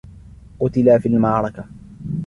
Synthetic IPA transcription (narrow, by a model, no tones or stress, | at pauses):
qʊt̪ɪlaːfiːlmɑʕɾˤɑka